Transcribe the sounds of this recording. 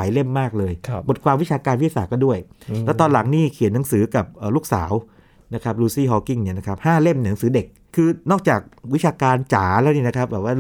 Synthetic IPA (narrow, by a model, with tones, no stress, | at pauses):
jle˥˩mːaː˥˩k̚lɤː˧jbo˨˩t̪̚kʰwaː˧mwi˦˥t͡ɕʰaː˧kaː˧nwjsaː˨˩kɔː˥˩du˥˩əjlɛ˦˥wt̪ɔː˧nla˩˦ŋniː˥˩kʰi˨˩˦nːa˩˦ŋsɯː˩˦ka˨˩p̚ʔəː˨˩luː˥˩k̚sa̰ː˩˦w | na˦˥kʰa˦˥p̚luː˧siː˥˩ɦɔ˧ki˥˩ŋni˦˩ɐna˦˥kʰa˦˥p̚haː˥˩le˥˩mn˧˩nː˨˩˦ŋsɯː˩˦de˨˩k̚ʰːɯː˧nɔː˥˩k̚t͡ɕaː˨˩k̚wi˦˥t͡ɕʰaː˧kaː˧nt͡ɕaː˩˦lɛː˦˥wniː˥˩na˦˥kʰɾa˦˥p̚bɛː˨˩waː˥˩˨